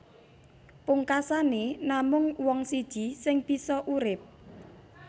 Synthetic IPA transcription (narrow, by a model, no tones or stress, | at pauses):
pʊŋkasanenamʊŋwɔŋsid̥ʒ̥i̤sɪŋb̥i̤sɔʔuɾɪp̚